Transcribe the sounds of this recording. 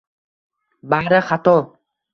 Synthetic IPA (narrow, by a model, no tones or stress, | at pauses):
baɾaχat̪ɔ